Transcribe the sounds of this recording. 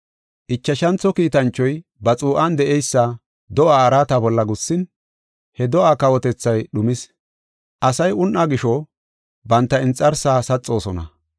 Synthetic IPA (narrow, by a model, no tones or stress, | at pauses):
ʔɪt͡ʃːɐʃɐnt͡sːɔkiːt̪ɐnt͡ʃːɔjbɐt͡sʼuːʔand̪ɛʔɛjsːa | d̪ɔʔaːɐɾaːt̪ɐbɔlːɐɡʊsːɪn | hɛd̪ɔʔaːkɐwɔt̪ɛt͡sːɐjɗʊmɪs | ʔɐsɐjʊnʔaɡɪʃɔ | bɐnt̪ːɐɪnt͡sʼːɐɾsaːsɐt͡sʼːo̞ːsɔnɐ̰